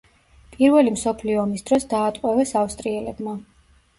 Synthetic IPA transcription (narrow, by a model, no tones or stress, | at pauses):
pʼiɾvɛlimsɔpʰliɔːmisd̪ɾɔsd̪aːt̪ʼqʼwɛvɛsafst̪ʼɾiɛlɛbma